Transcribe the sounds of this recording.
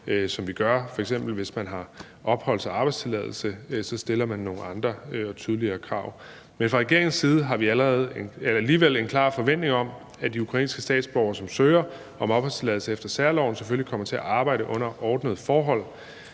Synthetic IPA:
sɒ̽mʋiɡ̥ɶɐfɒ̽eɡ̥s̬em̰b̥l̩ʋe̝smænɦɑ̈ | ʔɒ̽b̥hɒ̽l̰sʰɒɑ̈b̥ɑ̈ɪdst͡sʰe̝lɛð̞̰ˠl̩səsɒ̽sd̥e̝lɐmænːo̝ːŋn̩ɑ̈nd̥ʁɐɒ̽t͡sʰyːðˠəliɐːkʰʁɑ̈ʊ̰ | menfʁɑ̈ʁɛɡ̥e̝ɐ̰eŋnsiːð̞̩ˠəɦɑ̈ʋiæləʁɛːð̞̩ˠenelɐliːʋel̰e̝nkʰlɑ̰̈ːfɒ̽ʋen̰d̥ne̝ŋɒ̽m | æd̥iukʰʁɑ̈ḭːnsɡ̥əsd̥ɛ̰ːd̥sb̥ɒʊɐsɒ̽msøːɐ | ʔɒ̽mɒ̽b̥hɒ̽lst͡sʰe̝lɛð̩ˠsəefd̥ɐsæɐlɒ̰ʊ̰n̩seføllikʰɒ̽m̰ɐt͡sʰe̝æʔɑ̈ːb̥ɑ̈ɪ̰ɾəʔɔ̽n̰ɐʔɒːd̥nəð̞̩ˠfɒːɦɒ̽l̰

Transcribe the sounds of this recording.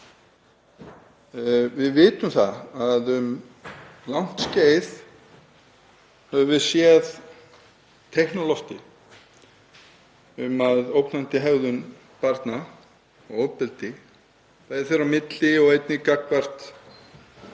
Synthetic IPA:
vɪðvɪːt̪ʏmθa̰aðʏm | lawn̥t̪sceːjð | hɛvʏvɪðsjɛð | t̪ʰɛhnɔlɔht̪ɪ | ʏmaðowpnant̪ɪɦɛɣðʏn | paɾt̪na | ɔɣowpɛlt̪ɪ | θajɾθɛɾamɪt̪lɪɔɣejt̪nɪkakvar̥t̪

